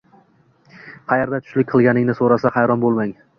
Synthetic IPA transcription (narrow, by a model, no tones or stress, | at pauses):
χɑjeɾd̪at̪ʰʊ̥ʃlɪkʲqʰɨlˠɡʲanɪŋnɪsoɾasaχɑjɾɒnbolˠmaŋ